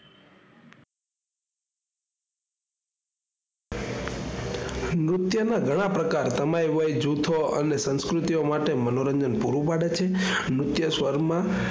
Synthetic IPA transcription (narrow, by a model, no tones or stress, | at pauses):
mɾʊt̪jənaɡʱəɽ̃ãpɾəkaɾt̪əmajʋəjd͡ʒut̪ʰoə̰nesə̃nskɾut̪iomaʈemənoɾəɲd͡ʒənpuɾupaɽet͡ʃʰe | mɾʊt̪jəsʋəɾmã